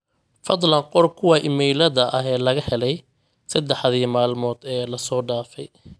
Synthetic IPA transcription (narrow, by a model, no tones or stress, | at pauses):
fɑd̪ˤlɐnqɔrkʰʊwɑʔɪmɛjlɐðɐʔɐɦɛːlɐɣɐhɛlɛj | sɐd̪ɛħðiːmaːlmɔːd̪ɛːlɐsɔːɖaːfɛj